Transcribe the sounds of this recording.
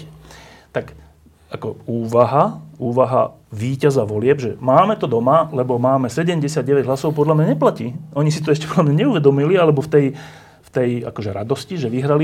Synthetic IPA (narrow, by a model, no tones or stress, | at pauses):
t̪ak | akɔuːʋaɦauːʋaɦa̰ | ʋiːcazaʋɔlɪɛbʒɛmaːmɛt̪ɔd̪ɔmalɛbɔmaːmɛsɛɟɛmɟɛsɪad̪̚ɟɛʋɛɟɦlasɔʊpɔd̪lamɲaɲɛplaciːɔɲisit̪ɔɛʃcɛ̥pɔd̪lamɲaɲɛuʋɛd̪ɔmilialɛbɔft̪ɛj | ft̪ɛja̰kɔʒɛɾad̪ɔsciʒɛʋiɦɾali